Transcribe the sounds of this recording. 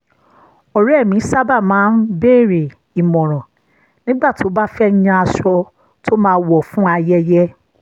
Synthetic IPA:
o˨ɾi˦ɛ˦˨mĩ˨˦sa˦ba˦˨mãː˨˦n̩˦be˦˨ɾe˨ | i˨mɔ̃˨ɾ̃ɔ̃˨ | nĩ˦ɡ͡ba˦˨ti˨o˦ba˦fɛ˦ɲã˧a˧ʃɔ˧ | tʰo˦mãː˦˧˦wɔ˦˨fũ˦a˧jɛ˦jɛ˦

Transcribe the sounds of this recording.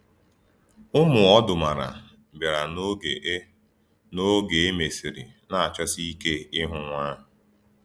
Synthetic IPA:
ʊ˦mʊ˨ɔ˦dʊ˨ma˨ɾa̰˨ | ba˨ɾa˨n˦˨˦ | no˦ɡe˨e˦me˨si˨ɾi˨ | na˦˨a˨t͡ʃɔ˦si˦i˦ke˦ɪ˦ɦʊ˨ŋʷaː˦ɦʊ˨

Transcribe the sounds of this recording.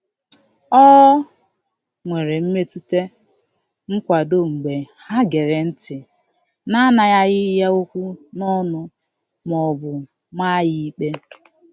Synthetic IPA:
ɔ˦ | ŋʷe˨ɾe˨m̩˦me˦tu˦te˦ | ŋ̩˦kʷa˨do˦˨ŋ͡m̩˨ɡ͡be˨ | ha˦ɡe˨ɾe˨n̩˦tɪ˨ | na˦na˨ja˦ɣɪ˦ja˦o˦kʷu˦nɔ˦nʊ˦ | mɔ˨bʊ˨ | ma˦jɪ˦i˦k͡pe˦

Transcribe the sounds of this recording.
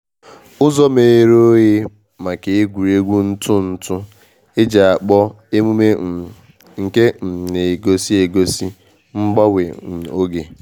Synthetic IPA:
ʊ˦zɔ˦me˨ɾo˦je˦ | ma˨ke˨e˦ɡʷu˨ɾe˦ɡʷu˦n̩˦tʰʊ˦n̩˨tʊ˦ | e˦d͡ʒa˨a˨k͡pɔ˦ | e˦mu˦me˦˨ | ŋ̩˨ke˦m̩˨ne˨e˨ɡo˦si˦e˨ɡo˦si˦ | ŋ͡m̩˦ɡ͡ba˦we˨o˦ɡe˨

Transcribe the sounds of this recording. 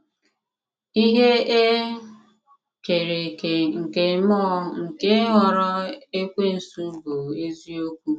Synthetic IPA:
i˦ɦe˦e˦ | t͡ʃe˨ɾe˨ke˨ŋ̩˨ke˨˦mɔ˦ŋ̩˨ke˦ɦɔ˨ɾɔ˦e˦kʷe˦n̩˨su˦bo˨e˦zi˦o˦kʷu˦

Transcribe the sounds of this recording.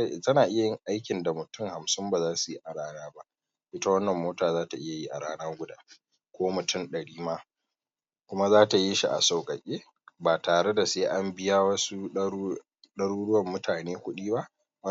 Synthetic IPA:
tɐ˦naː˨ʔɪ˦ja˨jɪ˦ŋʔa˦jkʲɪ˨nda˨mʊ˨tʊ˦˨ŋha˨msɪ˦mba˨zaː˦su˨ji˦ʔa˨ɽaː˦naː˦ba˦ʔ | ʔɪ˦ta˦wɐ˦nːɐ˨mːoː˦taː˨zaː˦ta˨ʔɪ˦ja˨ji˦ʔa̰˨ɽaː˦naː˦ɡʷʊ˦daː˦ | kʷoː˦mʊ˨tʰʊ˦˨nɗɐ˨ɽiː˦maː˦ | kʷʊ˦ma˦zaː˦ta˨ji˦ʃi˨ʔa̰˨sa˨wkʼɐ˨kʲʼeː˦ | baː˨taː˨ɽe˦da˨seː˦ʔa˦mbɪ˦jaː˦wɐ˦su˦ | ɗɐ˦ɽuː˦ɽʊ˦wɐ˨mːʊ˦taː˨neː˦kʷʊ˦ɗiː˦ba˦ʔ | wɐ˦

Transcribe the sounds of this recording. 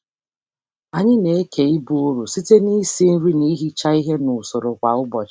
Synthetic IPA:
a˨ɲɪ˦ne˨e˦kʰe˨i˦bu˦o˦ɾu˨si˦te˦ni˦si˦n̩˦ɾi˦ni˦ɦi˦t͡ʃa˦i˦ɦe˦nʊ˨so˨ɾo˨kʷa˨ʊ˦bɔ˨t͡ʃ

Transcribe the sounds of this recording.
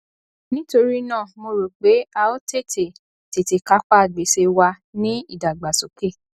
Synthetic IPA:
nĩ˦to˧ɾi˦nãː˦˨mo˧ɾo˨k͡pe˨˦a˧o˦te˦˨tʰe˨ | te˨te˨ka˨˦k͡pa˦˨ɡ͡be˨se˧wa˧ | nĩ˦i˦˨da˨ɡ͡ba˨so˨ke˦˨

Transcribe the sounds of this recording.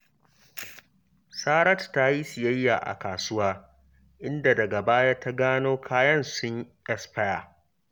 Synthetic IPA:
saː˦ɾɐ˦tta˦ji˦sɪ˨jɐ˦jːa̰ː˨ʔa̰˨kaː˨sʊ˦waː˦ | ʔɪ˦nda˨dɐ˨ɡa˨baː˦ja˦ta˦ɡaː˦noː˦kʰaː˦jɐ˦nsʊ˦ɲʔɛ˦spɐ˦ja̰ː˨

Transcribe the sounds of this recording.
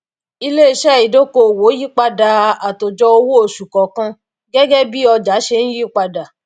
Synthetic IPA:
i˧le˦i˦˧˨ʃɛ˦˨i˨do˦ko˧˨wo˨˦ji˦k͡pa˧da˨a˨to˨d͡ʒɔ˧o˧wo˦o˦˨ʃu˨kɔ˨kã˧ | ɡɛ˦ɡɛ˦bi˦ɔ˧d͡ʒa˨˦ʃe˧n̩˦ji˦˨k͡pa˧da˨

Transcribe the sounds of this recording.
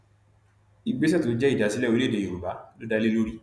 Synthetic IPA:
i˨ɡ͡be˨˦s̬ɛ˦to˨˦d͡ʒɛ˦i˦˨da˨˦si˨˦lɛ˦˨o˧˦e˦˨de˨o˨ɾu˨ba˨˦lo˦da˧˦le˦lo˦ɾi˦˨

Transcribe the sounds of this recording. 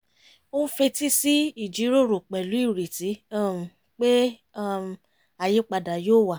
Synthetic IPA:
o˦fe˧ti˦si˦i˦˨d͡ʒi˨˦ɾo˦˨ɾo˨k͡pɛ˨lu˨˦i˦˨ɾe˨ti˨˦a˦˨m̩˨ | k͡pe˦ | a˦˨ | a˨je˦k͡pa˧da˨joː˦˨wa˦˨

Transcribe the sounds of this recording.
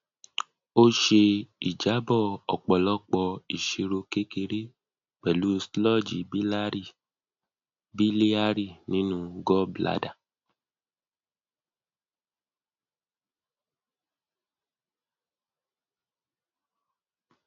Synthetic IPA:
o˦ʃe˧i˨d͡ʒa˨˦bɔ˦˨ɔ̰˨k͡pɔ˨lɔ˦k͡pɔ˧i˨ʃe˧ɾo˧ke˦ke˧˦ɾe˦ | k͡pɛ˨lu˦slɔ˦˨d͡ʒi˨bi˦la˦i˦˨ | bi˦li˦a˦ɾi˦˨nĩ˨˦nũ˧ɡɔ˦bla̰˦da˦˨

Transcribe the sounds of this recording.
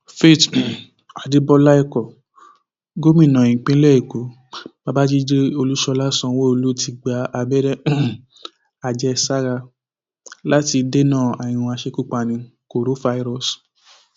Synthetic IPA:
fe˦˨t | a˨de˨˦bɔ˧la˦i˧kɔ˨ | ɡo˦mĩ˦˨nã˨ĩ˨k͡pĩ˦lɛ˦i˨ko˨˦ | ba˧ba˦d͡ʒi˦d͡ʒe˦o˧lu˦ʃɔ˧la˦sɔ̃˧wo˦o˧lu˦ti˧ɡ͡ba˧a˧bɛ˦ɾɛ˦ | a˨d͡ʒɛ˧sa˦ɾa˧ | la˦ti˧de˦nãː˦˨a˨ĩ˨ũ˧a˧ʃe˧˦ku˦˨k͡pa˧nĩ˧ | ko˨ɾo˨˦fa˧i˦˧ɾɔ˦˨s

